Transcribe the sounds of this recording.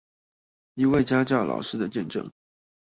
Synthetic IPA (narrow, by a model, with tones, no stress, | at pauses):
i˧˥we˥˩ɪt͡ɕja˥t͡ɕjɑ˥˩ʊlɑ̰˨˩ʊʂɻ̩˥d̪ə˨t͡ɕjɛ˥˧nʈ͡ʂɤ̰˥˩ŋ